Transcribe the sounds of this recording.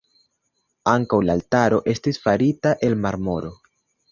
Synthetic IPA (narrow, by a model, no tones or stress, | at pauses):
aŋkawlaːltaɾo̞ʔe̞stisfaɾitaʔe̞lmaɾmo̞ɾo̞